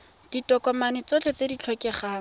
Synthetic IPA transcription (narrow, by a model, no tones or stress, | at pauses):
d̥itʼɔkɔmanɪt͡sot͡ɬʰɛt͡sedit͡ɬʰɔkɪχaː